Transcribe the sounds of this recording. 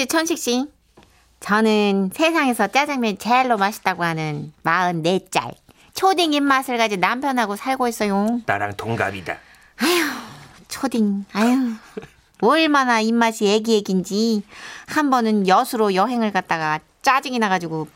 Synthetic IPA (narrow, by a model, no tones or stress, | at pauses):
et͡ɕʰʌnɕʰik̚ɕ͈i | t͡ɕʌnɯnsʰe̞sʰaŋe̞sʰʌt͡ɕ͈ad͡ʑaŋmjʌnt͡ɕeaɭːomaɕʰi̥t͈aɡoɦanɯnmaɯnːe̞t͡ɕ͈a̰ɭ | t͡ɕʰodiŋimːasʰɯɭk͈ad͡ʑinampʰjʌnɦaɡosʰaɭɡois͈ʌjota̰ɾa̰ŋtoŋɡa̰bida̰ | ajo | t͡ɕʰodiŋajo | ʌɭmanaimːaɕʰie̞ɡieɡind͡ʑihambʌnɯnjʌsʰuɾojʌɦe̞ŋɯɭkat̚t͈aɡa | t͡ɕ͈ad͡ʑiŋinaɡad͡ʑiɡo